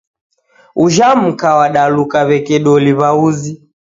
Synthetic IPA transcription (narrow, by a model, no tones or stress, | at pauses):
uʒam̩kawaɗalukaβɛkɛɗɔliβauzi